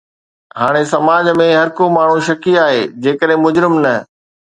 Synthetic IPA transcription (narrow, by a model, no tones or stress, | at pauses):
ɦaːɽ̃esɐmaːd͡ʑmẽɦɐɾkomaːɳ̤ũʃɐkiaːɦeːd͡ʑeːkəɗɦẽmʊd͡ʑɾɪmnɐ